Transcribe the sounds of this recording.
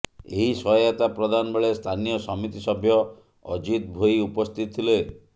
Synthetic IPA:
eɦisɔjat̪apɾɔd̪anɔbeɭest̪ʰanijɔsɔmit̪isɔbʱjɔ | ɔ̰d͡ʒit̪̚bʱoiupɔst̪ʰit̪ɔt̪ʰile

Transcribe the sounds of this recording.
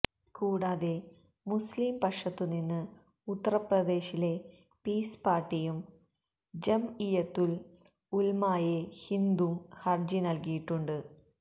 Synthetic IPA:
kuːɽaːðe̞ | musliːmpɐʂɐt̪ːuninːɨ | ut̪ːɐrɐprɐd̪e̞ːɕile̞ | piːspaːrʈːijum | d͡ʑemijɐt̪ːul | ulmaːjehind̪umhɐrd͡ʑinɐlkijiʈːuɳɖɨ

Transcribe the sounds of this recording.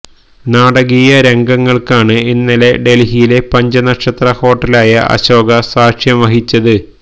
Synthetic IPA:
naːɽɐɣijɐɾe̞ŋɡɐŋːɐɭkaːɳɨinːɐle̞ɖe̞lɦijile̞pɐɲd͡ʑɐnɐkʂɐt̪rɐho̞ːʈːɐlaːjɐʔɐ̰ɕo̞ːɡɐsaːkʂjɐmʋɐɦit͡ɕːɐðɨ

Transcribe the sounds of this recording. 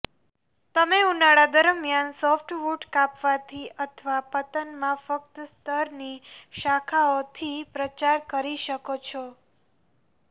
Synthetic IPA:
t̪əmeunaɽad̪əɾəmjansɔfʈʋuʈkapʋat̪ʰiʔət̪ʰəʋapətp̪ənmãfək̚t̪əst̪əɾniʃakʰaot̪ʰipɾət͡ʃaɾkəɾiʃəkot͡ʃʰɔ

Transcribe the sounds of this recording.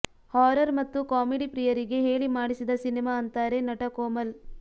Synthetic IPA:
haːɾɐɾmɐt̪ːukaːmeɖipɾijɐɾiɡe̞ɦeːɭimaːɽisid̪ɐsinimaːɐnt̪aːɾe̞nɐʈɐkoːmɐl

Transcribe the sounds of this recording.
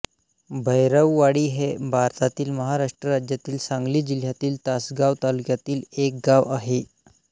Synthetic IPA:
bʱəjɾəʋːaɽiːɦebʱaɾt̪at̪iːlməɦaɾaʂʈɾəɾad͡ʑjat̪iːlsaŋɡliːd͡ʑil̤jat̪iːlt̪asɡaʋt̪alukjat̪iːlek̚ɡaʋaɦe

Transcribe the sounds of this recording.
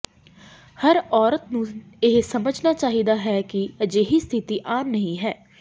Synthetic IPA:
həɾɔːɾət̪nũːɪɦsəməd͡ʒnaːt͡ʃaːɦiːd̪aːɦɛːkɪəd͡ʒeːɦiːst̪ʰɪt̪iːʔaːmnəɦĩːɦɛː

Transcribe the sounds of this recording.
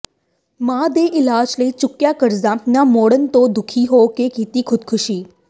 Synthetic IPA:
mãːd̪eːʔɪlaːd͡ʒləit͡ʃʊkjakəɾzãːnamoːɽənt̪od̪ʊkʰiɦoːkekiːt̪iːkʰʊd̪̚kʰʊʃiː

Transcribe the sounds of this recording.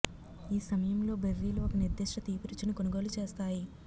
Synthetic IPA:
iːsɐmɐjɐmlo̞ːbeɾːiːlɐokɐniɾd̪iʂʈɐt̪iːpuɾut͡ʃːinikonuɡoːlut͡ʃe̞ːst̪aːji

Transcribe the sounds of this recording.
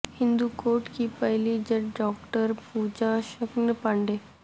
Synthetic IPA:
hɪ̃nd̪ukoːɾʈkipɐɦlid͡ʒɐʈɖɔːkʈəɾpuːd͡ʒaʃəknəpaɳɖeː

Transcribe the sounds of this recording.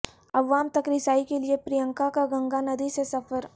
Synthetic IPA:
ɐʋaːmt̪ɐkɾɪsaːikeliepɾijə̃ŋkakaɡɐ̃ŋɡanɐd̪isesɐfəɾ

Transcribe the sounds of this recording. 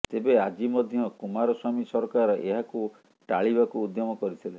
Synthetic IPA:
t̪ebead͡ʒimɔd̪ʱjɔkumaɾɔswamisɔɾkaɾɔʔeɦaku | ʈaɭibakuud̪jɔmɔkɔɾit̪ʰile

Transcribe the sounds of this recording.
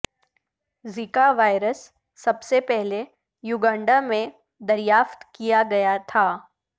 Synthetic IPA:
zikaʋaːɪɾəsː | ɐbsepɛɦle | juɡãːɳɖamẽ | d̪ɐɾijaːft̪kijaɡɐjat̪ʰaː

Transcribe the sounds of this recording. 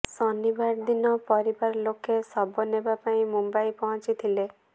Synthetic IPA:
sɔnibaɾd̪inɔpɔɾibaɾɔlokesɔbɔnebapaĩmumbajpɔɦɔ̃t͡ʃit̪ʰile

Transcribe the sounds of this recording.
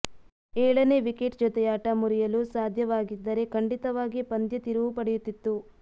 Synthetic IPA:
ɛːɭɐne̞ʋikeʈd͡ʒɔt̪ɛjaːʈɐmuɾijɐlusaːd̪ʱjɐʋaːɡid̪ːɐɾe̞kɐɳɖit̪ɐʋaːɡipɐnd̪jɐt̪iɾuʋupɐɽɛjut̪ːit̪ːu

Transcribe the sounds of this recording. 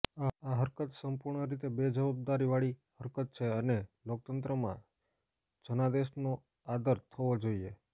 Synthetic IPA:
aɦəɾkət̪səmpuɾɳəɾit̪ebed͡ʒəʋab̚d̪aɾiʋaɭihəɾkət̪̚t͡ʃʰeənelok̚t̪ənt̪ɾəmã̰ | d͡ʒənad̪eʃno | ad̪əɾt̪ʰəʋod͡ʒoie

